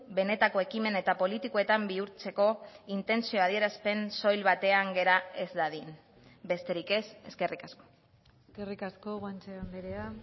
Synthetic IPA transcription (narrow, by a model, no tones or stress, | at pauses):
be̞ne̞t̪ako̞e̞kime̞ne̞t̪apo̞lit̪ikoe̞t̪ambiuɾt͡se̞ko̞int̪e̞nsio̞að̞ie̞ɾaspe̞nso̞jlβat̪e̞aŋɡe̞ɾae̞zd̪aðin | be̞st̪e̞ɾike̞se̞ske̞rikasko̞̥ | eskerikaskoɣant͡seombeɾea